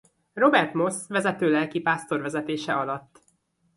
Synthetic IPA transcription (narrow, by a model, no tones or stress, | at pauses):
ro̞bɛrt̪mo̞sʋɛzɛt̪øːlɛlkipaːst̪o̞rʋɛzɛt̪eːʃɛʔɒlɒt̪ː